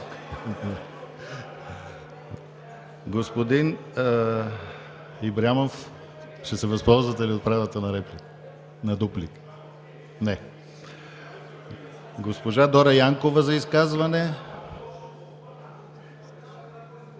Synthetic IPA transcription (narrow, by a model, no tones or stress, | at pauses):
ɡospod̪in | ibɾamof | ʃɛsɛvɐspɔlˠzvɐt̪ɛliot̪̚pɾavət̪ənɐɾɛplik | nɐd̪uplik | nɛ | ɡospoʒad̪ɔɾɐjaŋkovɐzɐiskazvɐnɛ